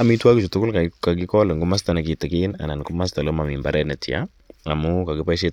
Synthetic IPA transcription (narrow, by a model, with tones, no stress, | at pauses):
a˦mi˦twa˦ki˨t͡ʃu˨tʊ˦kʊ˦lka˨ka˨k̬i˦kɔ˦lɛ˨ŋɡu˦ma˦s̬ta˨na˨ki˨tɪ˨ki˦na̰˨na˨nku˦ma˦s̬ta˨lo˦ma˨mi˨mba̰ɾɛ˦nɛ˨ti˨a̰˦ | a˨mʊ˦ka˨ki˦pa˦ʃ̬e˦